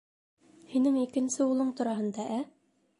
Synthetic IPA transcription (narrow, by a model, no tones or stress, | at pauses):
hinɘŋikɘ̆nsɘulˠɤɴt̪ŭɾɑɦɤ̆nd̪ɑʔæ